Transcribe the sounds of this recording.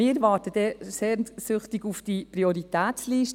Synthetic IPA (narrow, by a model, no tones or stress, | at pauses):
ɪːʋɑːɾtəd̥ɛseːɾnsʏχtɪɡufd̥ipriɔɾitæːsliːʃt